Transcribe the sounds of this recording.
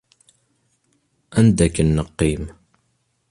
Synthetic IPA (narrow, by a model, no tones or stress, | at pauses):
ænd̪ækənːəqːim